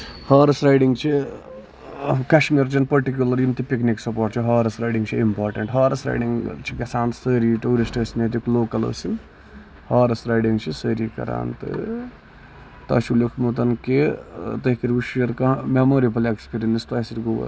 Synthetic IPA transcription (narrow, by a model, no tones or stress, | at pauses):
haːɾɐsɾajɖiŋɡt͡ʃʰi | kɐʃmiɾt͡ʃɐnpɐɾʈik̬ʲjulɐɾimt̪ipikniksɐpoːɾʈt͡ʃʰiɦaːɾɐsɾajɖiŋɡt͡ʃʰiimpaːɾʈɐɳʈɦaːɾɐsɾa̰jɖiŋɡt͡ʃʰikɐsaːnsəːɾiʈuːɾisʈəːsinet̪ikloːkɐlə̰ːsin | haːɾɨsɾajɖiŋɡt͡ʃʰisəːɾikɐ̰ɾa̰ːnt̪ɨ̰ | t̪ɐ̰ːʃulokʰmut̪ɐnket̪ɐɦkiɾuʃjɐɾkɐmemoɾipɐlekspiɾinist̪ɐsiʈɡoʋɐ̰